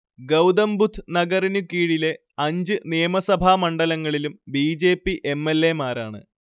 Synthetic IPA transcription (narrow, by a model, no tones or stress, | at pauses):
ɡɐwd̪ɐmbut̪ʰːɨnɐɡɐrinukːiːɽile̞ | ɐɲd͡ʑɨnijɐmɐsɐbʱaːmɐɳɖɐlɐŋːɐɭilumbiːd͡ʑe̞ːpːiʔemːe̞lːe̞maːɾaːɳɨ̰